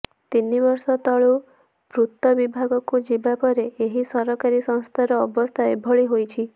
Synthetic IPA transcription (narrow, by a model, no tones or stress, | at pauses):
t̪inːibɔɾsɔt̪ɔɭu | pɾut̪ːɔbibʱaɡɔkud͡ʒibapɔɾeeɦisɔɾɔkaɾisɔ̃w̃st̪ʰaɾɔːbɔst̪ʰaebʱɔɭiɦojt͡ʃʰi